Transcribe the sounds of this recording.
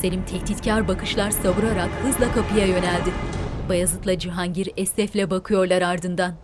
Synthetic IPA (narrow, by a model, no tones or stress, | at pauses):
selʲimt̪ʰɛct̪ʰit̪cʰaɾbakʰɯʃlˠaɾsaβuɾaɾakhɯzlˠakʰapʰɯjajø̞nælʲd̪ɪbajazˠɯt̪lˠad͡ʒɯɦaɲɟiɾɛst̪ɛflʲɛbakʰɯjo̞ɾlˠaɾaɾd̪ɯnd̪an